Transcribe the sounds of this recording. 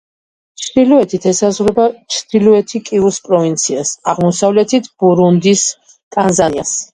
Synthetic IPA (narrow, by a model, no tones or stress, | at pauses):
t͡ʃʰd̪ilɔɛt̪ʰit̪ʰɛsazʁɾɛbat͡ʃʰd̪̥iluɛt̪ʰikʼiuspʼɾɔvint̪sʰiasaʁmɔsavlɛt̪ʰit̪ʰb̥uɾund̪is | t̪ʼanzanias